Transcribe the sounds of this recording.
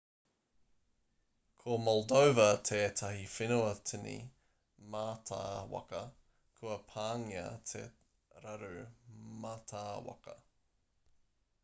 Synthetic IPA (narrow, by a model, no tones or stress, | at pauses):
kʰomɔldowvɐtʰeːtʰɐɦifinoɐtʰinḭ | maːtʰa̰ːwɐ̰kɐ | kʰuɐpʰaːŋiɐ̰tʰḛ | ɾɐɾʉ̰matʰaːwɐ̰kɐ̰